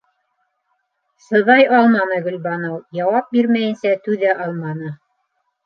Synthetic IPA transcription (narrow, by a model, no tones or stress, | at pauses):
sɤ̆ðɑjɑlˠmɑnɤɡɵ̆lbɑnowjɑwɑp̚biɾmæjɘ̆nsæt̪ʉðæʔɑlˠmɑnɤ